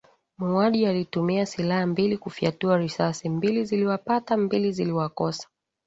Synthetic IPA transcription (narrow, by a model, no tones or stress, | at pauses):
muaɗialitumiasilahambilikufiatuaɾisasimbiliziliwapatambiliziliwakɔsḁ